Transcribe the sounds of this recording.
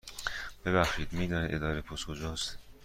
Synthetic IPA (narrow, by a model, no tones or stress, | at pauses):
b̥e̞βæxʃiːd̪miːd̪ɒːnid̪e̞d̪ɒːɾepʰoskʰod͡ʒɒːst̪